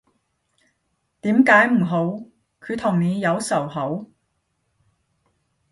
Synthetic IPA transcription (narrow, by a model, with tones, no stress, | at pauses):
t̪iː˨˥mkaː˨˥jm̩˨˩ɦo˨˥w | kʰy˨˧t̪ʰʊ˨˩ŋne˨˧jjɐ˨˧wsɐ˨˩wɦɐ˨˥w